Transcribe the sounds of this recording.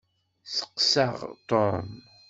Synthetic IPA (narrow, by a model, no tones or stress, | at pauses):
θə̥qsaʁt̪oɾm